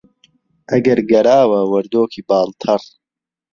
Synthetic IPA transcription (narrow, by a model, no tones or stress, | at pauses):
ʔɐɡɐɾɡɐɾaːwɐwɐɾd̪oːkʰiːbaːlt̪ʰɐr